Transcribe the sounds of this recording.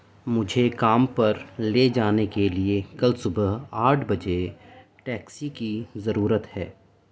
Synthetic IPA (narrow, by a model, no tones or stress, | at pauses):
mʊd͡ʒʱekaːmpɐɾleːd͡ʒaːnekeliekɐlsʊbəɦaːʈʰbɐd͡ʒeʈɛːksikizɐɾuːɾət̪hɛ̰ː